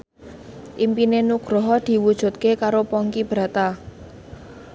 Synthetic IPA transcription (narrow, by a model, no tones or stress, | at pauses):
ʔimpinenuɡ̥ɾɔɦɔd̪̥i̤wud̥ʒ̥ṳt̪̚kekaɾopɔŋkib̥ɾa̤t̪a